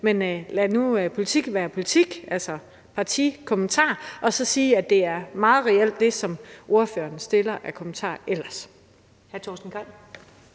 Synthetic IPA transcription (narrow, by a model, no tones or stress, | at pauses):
menlænuøpʰo̝lit͡sʰiɡ̥ʋæːɐpʰo̝lit͡sʰiɡ̥ælsɒ | pʰɑ̈t͡sʰḭkʰomənt͡sʰɑ̰̈ːʔɒ̽sɒ̽siːæd̥e̝æɐmɑ̈ːð̞̩ˠʁɛel̰d̥ːe̝sɒ̽mʔo̝ɐfø̰ːɐn̩sd̥e̝lɐʔækʰo̝mən̩t͡sʰɑ̰̈ːel̰ɐs | hæɐt͡sʰɒ̰sd̥n̩kʰɒn̰